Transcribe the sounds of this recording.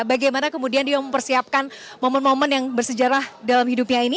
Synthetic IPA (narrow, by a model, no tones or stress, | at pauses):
baɡajmanakəmudiandiaməmpərsiap̚kanmomənmomənjaŋbərsəd͡ʒaɾahdalamhidup̚ɲaini